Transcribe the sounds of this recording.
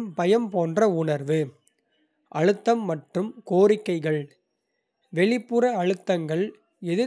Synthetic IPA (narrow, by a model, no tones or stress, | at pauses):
mpɐjɐmpoːndrɐʊɳɐɾʋɯ | ʔɐɻɯt̪ːɐmːɐʈrɯmkoːɾɪkːɐɪɣɐɭ | ʋɛɭɪpːɯɾɐɐɻɯt̪ːɐŋɡɐɭ | ɛðɯ